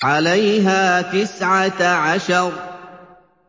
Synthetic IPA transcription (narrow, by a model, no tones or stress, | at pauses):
ʕalajɦaːt̪ɪsʕaʕaʃɑɾˤ